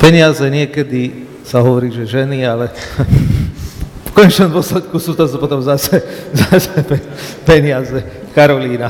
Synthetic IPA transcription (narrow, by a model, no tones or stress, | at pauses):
pɛɲɪazɛɲɪɛkɛd̪i | saɦɔʋɔɾiːʒɛʒɛnialɛ | fkɔɲɛt͡ʃnɔmd̪ʋɔslɛt̪kusuːt̪ɔzupɔt̪ɔmzasɛzasɛpɛ | pɛɲɪazɛ | kaɾɔliːna